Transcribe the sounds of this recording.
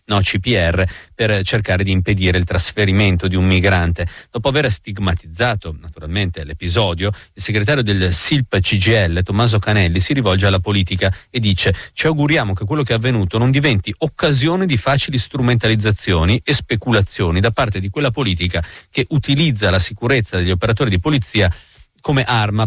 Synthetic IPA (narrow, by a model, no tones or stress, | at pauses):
nɔt͡ʃipiɛrːepert͡ʃerkaːɾed̪iːmped̪iːɾeilt̪ɾasfeɾiment̪od̪iummiɡɾant̪edd̪ɔːpoaverst̪iɡmat̪id̪zːaːt̪onat̪uɾalment̪elepizɔːd̪joilseɡɾet̪̬aːɾjod̪elsilpt͡ʃid͡ʒiɛlːet̪omːaːzokanɛlːisiɾivɔld͡ʒealːapoliːt̪ikaed̪ːiːt͡ʃet͡ʃiawɡuɾjaːmok̟ekwelːokeɛavːenuːt̪onond̪ivɛnt̪iʔokːazjoːnid̪ifaːt͡ʃilist̪ɾument̪alid̪zːat̪sːjoːniʔespekulat̪sːjoːnid̪apart̪ed̪ikwelːapoliːt̪̬ikak̟eʔut̪ilid̪zːalasikuɾet̪sːad̪eʎːiopeɾat̪oːɾid̪ipolit̪sːiːakomeʔarma